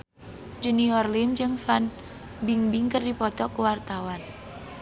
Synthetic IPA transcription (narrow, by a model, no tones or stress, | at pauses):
d͡ʒəniɔrlimd͡ʒɨŋfan | biŋbiŋkərdipɔt̪ɔkuwart̪awan